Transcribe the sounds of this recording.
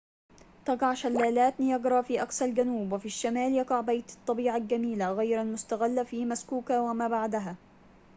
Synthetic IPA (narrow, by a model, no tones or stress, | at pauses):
t̪ɑɡɑʕʃalːaːlaːt̪nijɑɡɾˤɑfiːʔaksalɡanuːbwɪfiʃːamaːljɑɡɑʕbajt̪ɑ̥t̪ˤːɑbiːʕalɡamiːlaɣajɾalmʊst̪aɣɪlːafiːmaskuːkawamaːbaʕd̪aɦaː